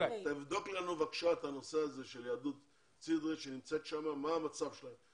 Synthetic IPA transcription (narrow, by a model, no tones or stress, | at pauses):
t̪aivd̪o̞klanuvakʃat̪hano̞se̞aze̞ʃeljad̪ut̪ | t͡sid̪ʁeʃenimt͡se̞t̪ʃamamaːmat͡savʃelaem